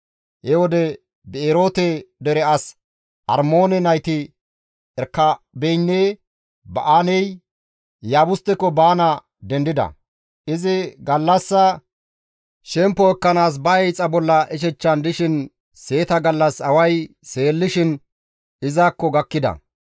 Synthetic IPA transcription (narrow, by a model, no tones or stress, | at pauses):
hɛwɔd̪ɛ | bɛeːɾo̞ːt̪ɛd̪ɛɾɛɐs | ʔɐ̰ɾmo̞ːnɛnɐjt̪ɪ | ɛɾkːɐbɛjnːeː | bɐʔaːnɛj | jaːbʊst̪ːɛkːɔbaːnɐ | d̪ɛnd̪ɪd̪ɐ̰ | ɪzɪɡɐlːɐsːɐ | ʃɛmpːɔɛkːɐnaːs̬bɐɛjt͡sʼɐbɔlːɐʔɛʃ̬ɛt͡ʃːɐnd̪ɪʃɪn | se̞ːt̪ɐɡɐlːɐsɐwɐj | se̞ːlːɪʃɪn | ɪzaːkːɔɡɐkːɪd̪ɐ̰